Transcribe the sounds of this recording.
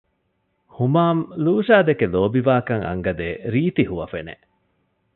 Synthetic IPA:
humaːmluːʃaːd̪ekeloːbiʋaːkɐŋɐ̰ŋɡɐd̪eːɾiːt̪ihuʋɐfenḛ

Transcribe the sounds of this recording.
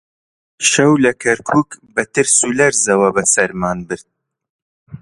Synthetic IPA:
ʃɐwlɐkʰɐɾkʰuːkbɐt̪ɨɾsulɐɾzɐwɐbɐsɐɾmaːnbɨɾd̪̚

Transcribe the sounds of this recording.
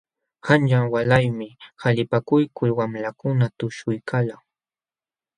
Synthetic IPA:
hanʎaŋwalajmɪhaʎɪpakʊjkʊlwamlakʊnat̪ʊʃʊjkʰalaŋ

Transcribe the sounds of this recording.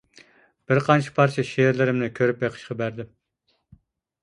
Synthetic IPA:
b̥ɪɾqʰɑnt͡ʃʰɪ̥pʰɑɾt͡ʃʰɛʃeɾlɪɾɪmnɪkʲʰøɾypjeqʰə̥ʃqɑbæɾd̪ɪm

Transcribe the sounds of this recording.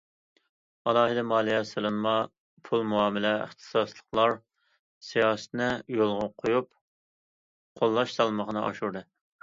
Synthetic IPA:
ɑlˠɑːɦɨd̪ɛmɑːlˠijɛsɨlˠɨnmɑ | pʰulˠmuɑːmɪlɛə̰χt̪ʰɨ̥sɑslˠəqlˠɑɾ | sijɑːsɨ̥t̪nɪjolˠʁəqʰojup | qʰolˠːɑʃsɑlˠməʁnɨʔɑ̰ʃuɾd̪ɨ

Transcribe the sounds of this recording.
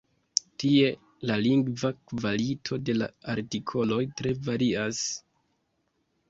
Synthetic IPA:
tie̞ | laliŋɡvakvalitʰo̞de̞la̰aɾtikʰo̞lo̞jtɾe̞vaɾias

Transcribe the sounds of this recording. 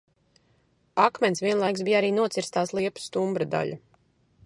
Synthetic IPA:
akmɛnsvʲiɛnlˠajksbijaɾiːnuɔt̪siɾst̪aːslˠiɛpu̥st̪umbɾad̪a̰ʎu

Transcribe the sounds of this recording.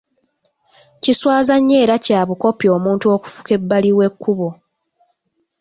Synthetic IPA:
ciswaːzaɲːe̞ːɾacaːβuko̞pjo̞ːmuːntuo̞ːku̥fu̥ke̞bːaliwe̞kːuβo

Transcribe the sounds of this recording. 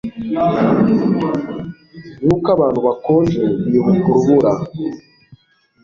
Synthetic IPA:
nuːkaβaːn̥huβakoːnd͡ʒejiβukuɾuβuɾa

